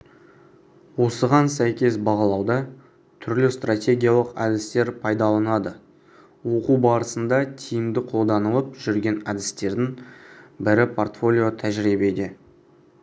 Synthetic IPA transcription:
wo̞səʁɑnsæjkʲe̞sbɑʁɑlˠɑwd̪ɑ | t̪ʰʏɾlɪst̪rat̪ʲe̞ɡʲijalˠəqɑ̰d̪ɪst̪e̞ɾpʰɑjd̪ɑlˠɑnɑd̪ə | wo̞quwbɑɾəsənd̪ɑt̪ʲʰijɪmd̪ɪqʰo̞lˠd̪ɑnəlˠəpʒʏɾɡʲe̞nɑd̪ɪst̪e̞ɾd̪ɪŋbɪɾɪpʰo̞rt̪fo̞lʲijo̞t̪ʰæʒɾibed̪e

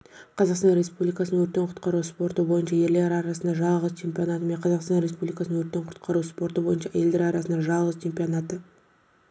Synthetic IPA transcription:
qʰɑzɑqst̪ɑnɾe̞spublijkasənəwɵɾt̪ːe̞ɴqʰʊ̥t̪qɑɾuspo̞ɾt̪əbo̞jənʃɑje̞ɾle̞ɾɑɾɑsənd̪ɑʒɑlˠʁəzt͡ʃʰe̞mpʲijo̞nɑt̪əme̞ɴqʰɑzɑqst̪ɑnɾe̞s̬publijkasənəwɵɾt̪ːe̞ɴqʰʊ̥t̪qʰɑɾuspo̞ɾt̪əbo̞jənʃɑjeld̪e̞ɾɑɾɑsənd̪ɑʒɑlˠʁəzt͡ʃʰe̞mpijo̞nɑt̪ə

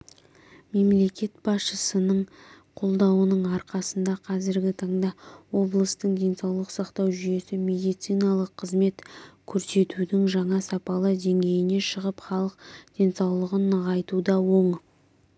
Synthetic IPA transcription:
me̞mle̞kʲe̞t̪̚b̥ɑsʃəsənəɴ | qʰo̞lˠd̪ɑwənəɴɑɾqɑsənd̪ɑqʰɑzɪɾɡʲɪt̪ʰɑɴd̪ɑwo̞blˠəst̪əɴd̪ʲe̞nsɑwlˠəqsɑqt̪ɑwʒʏje̞sɪme̞d̪ijt̪sɨjnɑlˠəqʰːəzme̞t̪kʲʰɵɾse̞t̪ud̪ɪŋʒɑɴɑsɑpɑlˠəd̪e̞ŋɡʲe̞jɪne̞ʃəʁəpχɑlˠəqd̪̥e̞nsɑwlˠəʁənʁɑjt̪ud̪ɑwo̞ɴ

